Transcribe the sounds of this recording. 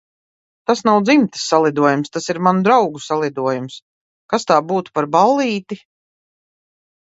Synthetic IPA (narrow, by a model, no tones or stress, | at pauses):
t̪asnawd̪zimt̪ɨ̥sːalˠid̪uɔjumst̪asiɾmanud̪ɾawɡusalˠid̪uɔjums | kast̪aːbuːt̪u̥paɾbalˠːiːt̪i